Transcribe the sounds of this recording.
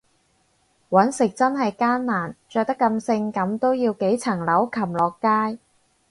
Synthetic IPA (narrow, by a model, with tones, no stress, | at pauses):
wɐ˨˥nsɪ˨k̚t͡sɐ˥nɦɐ˨jkaː˥nːaː˨˩nt͡ʃœː˧k̚t̪ɐ˥kːɐ˧msɪ˧ŋkɐ˨˥mt̪o˥wjiː˧wke˨˥jt͡sʰɐ˨˩ŋlɐ˨˥wkʰɐ˨˩mlɔː˨kːaː˥j